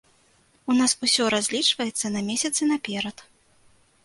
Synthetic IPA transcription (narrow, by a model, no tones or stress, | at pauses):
unasusʲɔɾazʲlʲit͡ʂvɐjɛt̪sːɐnɐmʲesʲɐt̪sɨnɐpʲɛɾɐt̪